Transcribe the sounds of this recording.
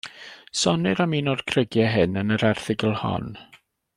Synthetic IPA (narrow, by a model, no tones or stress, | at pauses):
sɔnɪɾamiːnɔr̥kʰrəɡjɛɦɪnənəɾɛrθɪɡəlˠhɔ̰n